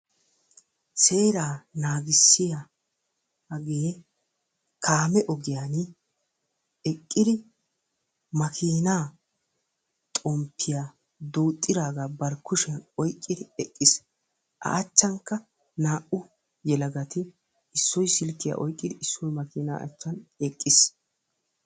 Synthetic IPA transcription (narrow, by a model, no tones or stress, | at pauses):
se̞ːɾaːnaːɡɪsːɪja | ɐɡeː | kʰaːmɛʔɔɡɪjaːn | ɛkʼːɪd̪ɪ | mɐkʰiːnaː | t̪ʼɔmpʰːɪja | d̪uːt̪ʼːɪdaːɡaːbɐɾkːʊʃɪɐnɔjkʼːɪd̪ɪɛkʼːɪs | ʔɐ̰ʔːt͡ʃːɐŋkːɐ | naːʔʊ | jɛlɐɡɐt̪ɪ | ɪsːɔjsɪlkːɪja̰ʔɔjkʼːɪd̪ɪʔɪsːɔjmɐkiːna̰ːʔɐ̰t͡ʃːɐnɛkʼːɪs